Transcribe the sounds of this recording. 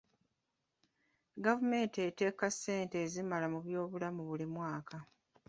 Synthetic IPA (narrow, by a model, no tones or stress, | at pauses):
ɡavume̞ːntete̞ːkasːe̞ːnte̞ːzimalamuβjo̞ːβulamuβulimwaːkʰa